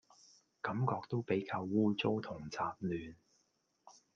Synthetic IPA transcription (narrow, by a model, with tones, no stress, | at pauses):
kɐ˨˥mkɔː˧k̚t̪o˥wpe˨˥jkaː˧wːuː˥t͡so˥wt̪ʰʊ˨˩ŋt͡sʰaː˧p̚lyː˨n